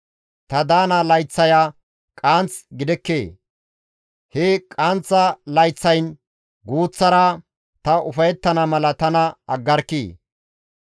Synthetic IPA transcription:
t̪ɐd̪aːnɐlɐjt͡sːɐjaː | kʼaːnt͡sɡɪd̪ɛkːeː | hɛkʼant͡sːɐlɐjt͡sːɐjn | ɡuːt͡sːɐɾa | t̪ɐʔʊfɐjɛt̪ːɐnɐmɐlɐt̪ɐnɐɐɡːɐɾkːiː

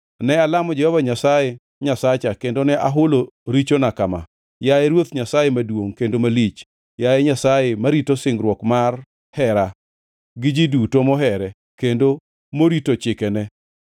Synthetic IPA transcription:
nɛalamɔd͡ʒɛhɔvaɲasaje | ɲasat͡ʃakendonɛʔaɦʊlo | ɾit͡ʃonakama̰ | jaɛɾwot̪ɲasajemadwoŋkendomalit͡ʃ | jajɛɲasajemaɾitosɪŋɡɾwɔkmar | hɛɾa | ɡɪd͡ʒidutomɔɦɛɾɛ | kendo | moɾitot͡ʃɪkɛnɛ

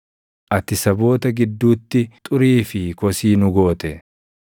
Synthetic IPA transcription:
ʔɐt̪ɪsɐbo̞ːt̪ɐɡɪd̪ːuːt̪ːɪt̪ʼʊɾiːfɪkɔsiːnʊɡo̞ːt̪ɛ

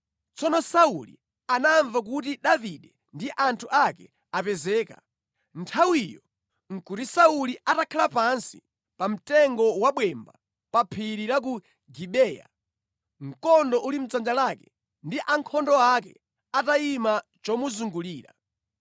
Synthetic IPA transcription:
t͡sɔnɔsaulḭ | anaɱvak̬ut̬iɗaviɗɛ | ndiʔantʰuʔakɛ | apɛzɛːka̰ | ntʰawijɔ | ŋ̩kutisauliʔatakʰalapansḭ | pam̩tɛŋɡɔwaɓwɛmba̰ | papʰiɾiɾak̬u | ɡiɓɛːja̰ | ŋ̩kɔndɔʔulim̩d͡zand͡ʒalakɛ̥ | ndiʔaŋkʰɔndɔakɛ | ataimat͡ʃɔmuzuŋɡuliːɾa̰

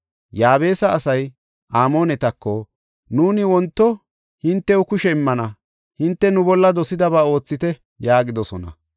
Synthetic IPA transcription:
jaːbe̞ːsɐːsɐj | ʔaːmoːnɛt̪ɐkːɔ | nuːnɪwɔnt̪ːɔ | hɪnt̪ːɛwʊkʊʃɛɪmːɐnɐ | hɪnt̪ːɛnʊbɔlːɐd̪ɔsɪd̪ɐβaːo̞ːt͡sːɪt̪ɛ | jaːɡɪd̪ɔsɔnɐ̰

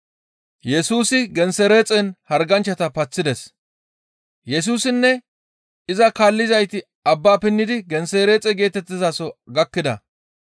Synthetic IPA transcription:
jɛsuːsɪɡɛnsɛɾeːt͡sʼɛnhɐɾɡɐnt͡ʃːɐt̪ɐpɐt͡sːɪd̪ɛs | jɛs̬uːsɪnːɛ | ɪzɐkaːlːɪzɐjt̪ɪ | ɐbːaːpɪnːɪd̪ɪɡɛnseːɾeːt͡sʼɛɡe̞ːt̪ɛt̪ːɪzaːsɔɡɐkːɪd̪ɐ̰

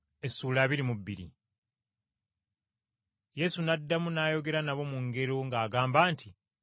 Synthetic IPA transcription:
e̞sːuːlaːβiɾimubːiɾḭ | je̞sunadːamunaːjo̞ɡe̞ɾanaβo̞muŋɡe̞ɾoŋɡaːɡaːmbaːnti

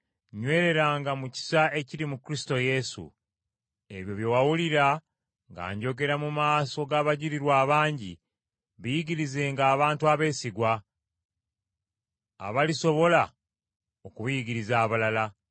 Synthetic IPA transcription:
ɲwe̞ːɾe̞ɾaːŋɡamuci̥sae̞ciɾimukɾisi̥to̞je̞sṵ | e̞βjo̞βjowawuliɾa | ŋɡa̰ːɲɟo̞ɡe̞ɾamumaːso̞ɡaβaɟiɾiɾwaːβaːɲɟḭ | βijiɟiɾize̞ːŋɡaːβaːntuaβe̞ːsiɡwa | βaliso̞βo̞la | okuβujiɟiɾizaːβalala

